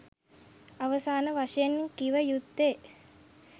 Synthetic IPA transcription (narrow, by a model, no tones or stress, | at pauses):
aʋəsaːnəʋaʃɐjenːikiʋəjud̪ːe